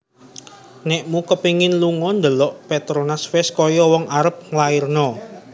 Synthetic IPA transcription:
nɛʔmukəpiŋɪnluŋɔnd̪əlɔʔpet̪ɾonasfɛskɔjɔwɔŋʔaɾəp̚ŋlairnɔ

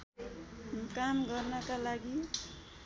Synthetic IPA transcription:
kamɡʌrnʌkalaɡi

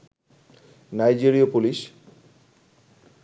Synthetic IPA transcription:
najd͡ʑiɾiopuliʃ

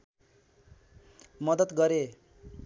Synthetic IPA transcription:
mʌd̪ʌt̪ɡʌɾe

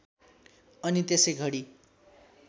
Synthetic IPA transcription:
ʌnit̪esejɡʱʌɽi

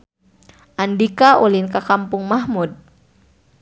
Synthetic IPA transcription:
ʔandikaʔulinkakampʊŋmaɦmud̚

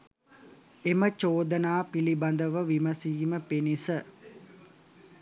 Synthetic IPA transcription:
emət͡ʃoːd̪ənaːpiliband̪əʋəʋiməsiːməpenisə

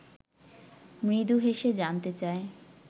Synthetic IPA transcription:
mid̪uɦeʃed͡ʑant̪et͡ɕae

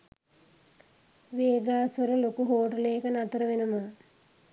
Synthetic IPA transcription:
ʋeːɡaːsʋɐlɐlokuɦoːʈəleːkənat̪ɾəʋenumə

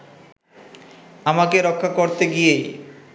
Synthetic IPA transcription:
amakeɾɔkʰːakoɾt̪eɡijej

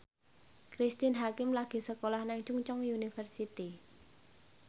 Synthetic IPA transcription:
kɾist̪ɪnɦakɪmlaɡ̥i̤səkolahnɛŋt͡ʃuŋt͡ʃɔŋjunifərsit̪i

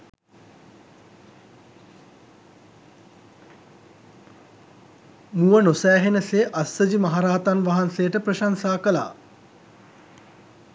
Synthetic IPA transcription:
muʋənosæːɦenəseʔasːəd͡ʑimaɦaɾaːat̪anʋaɦansejəʈəprəʃansaːkəla̰ː

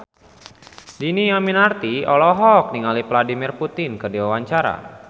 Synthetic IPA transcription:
dinijaminart̪iɔlɔɦɔk̚niŋalipladimirput̪ɪnkədiwawaɲt͡ʃaɾa̰

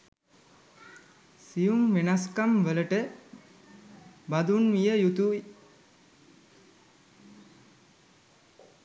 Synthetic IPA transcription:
sijumʋenaskamʋələʈə | bad̪unʋijəjut̪ui

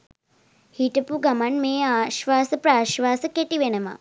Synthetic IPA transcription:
hiʈəpuɡamanmeːaːʃʋaːsəpɾaːʃʋaːsəkeʈiʋenəma̰

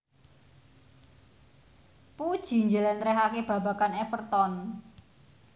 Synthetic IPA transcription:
pud̥ʒ̥i̤ɲd͡ʒəlɛnt̪ɾɛɦakeb̥ä̤ba̤kanɛfərt̪ɔn

